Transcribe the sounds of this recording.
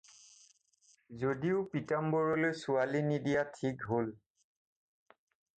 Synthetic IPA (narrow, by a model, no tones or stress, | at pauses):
zodiʊpitambɔɹɔlojsualinidijatʰikɦol